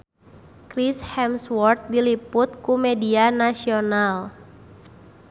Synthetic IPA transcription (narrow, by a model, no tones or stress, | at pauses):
kɾishɛmswɔrt̪̚dilipʊt̪̚kumedianasional